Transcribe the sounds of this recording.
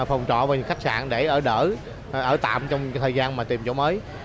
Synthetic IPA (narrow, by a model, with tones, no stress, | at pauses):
fɔ˨˩wŋ͡mt͡ɕɔ̰˧˨vaː˨˩ɲɨ̰˧˥ŋxa˦˥k̟̚sa̰ː˧˨nɗe˧˩ʔəː˧˩ɗəː˧˩ | ʔəː˧˩t̪a̰ː˧˨mt͡ɕɔ˧wŋ͡mt̪ʰəː˨˩jzaː˧nmaː˨˩t̪i˨˩mt͡ɕo̰˧˥məː˨˦j